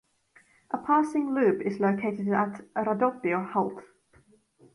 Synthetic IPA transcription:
ʔəpʰɑˑsɪ̃ŋlʉːpɪzləʊkʰeɪtɪdətɾədɔd̥iəhɔlˠt

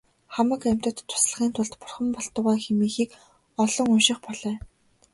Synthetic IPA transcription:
χamə̆kæm̥ʲt̪ə̆t̪ʰːʊ̥sɮə̆χiːnt̪ʰʊɮt̪pʊ̥rχə̆mpɔɮt̪ʊ̆ʁæːxemiːxiːk | ɔɮɞ̆ŋʊnʃɪ̆χpɔɮœː

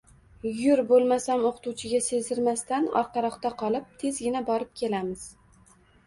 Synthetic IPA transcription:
jʊɾbolˠmasamoqʰʊ̥t̪uwt͡ʃʰɪɡʲase̞zɪɾmast̪anɒ̰ɾqɑɾɒqt̪aqʰɒlˠɪp̚t̪ʰe̞zɡʲɪnabɒɾɪp̚kʲʰe̞lamɪz̥

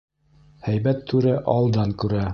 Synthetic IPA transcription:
hæjbæt̪ʰːʉɾæʔɑlˠd̪ɑŋkʉɾæ

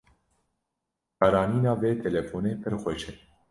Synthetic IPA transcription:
kɑɾɑːniːnɑːveːt̪ʰɛlɛfoːnepʰɛɾxʷɛʃɛ

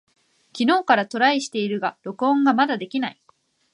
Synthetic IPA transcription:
kʲino̞ːkaɾat̪o̞ɾaiɕi̥t̪e̞iɾɯ̟ɡaɾo̞kɯ̟õ̞ŋɡamad̪ad̪e̞kʲinai

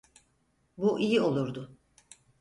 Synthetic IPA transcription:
buʔijio̞lˠuɾd̪ʊ

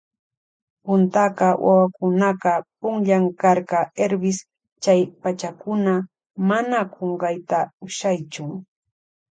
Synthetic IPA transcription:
pʊnt̪aqɑwʔa̰wakʊnɑqɑpʊŋʎaŋkɑɾkɑeɾbɪs | t͡ʃajpat͡ʃakʊna | manaqʰoɴɢɑjt̪aʊʃajt͡ʃʊŋ

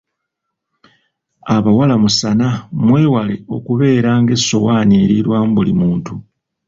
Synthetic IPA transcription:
aβawalamusanamwe̞ːwale̞̰o̞̰kuβe̞ːɾaːŋɡe̞sːo̞waːnieːɾiɾwambulimuːntu

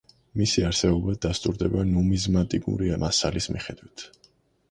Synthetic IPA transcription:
misiaɾsɛbɔbad̪ast̪ʼuɾd̪ɛbanɔmizmat̪ʼikʼṵɾimʔasalismiχɛd̪̥wit̪ʰ

